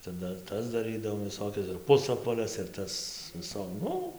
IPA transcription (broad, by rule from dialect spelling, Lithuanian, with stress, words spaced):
ˈt͡sʲɛ ˈdɐr ˈtɐs dɐˈrɨdɐʋoːm ʋʲɪˈsoːkʲɛs ɪr ˈpʊsɐpʋɐlʲɛs ɪr ˈtɐs ʋʲɪˈsoː ˈnʊ